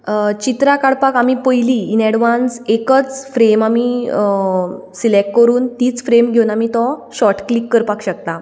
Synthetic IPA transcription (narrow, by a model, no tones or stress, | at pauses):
t͡ɕit̪ɾakaɽpakamipəjliːnɛɽʋansekət͡sfɾemami | silek̚ʈkəɾuːnt̪iːt͡sfɾemɡʱeunamit̪ɔɕɔʈklikːəɾpakɕək̚t̪a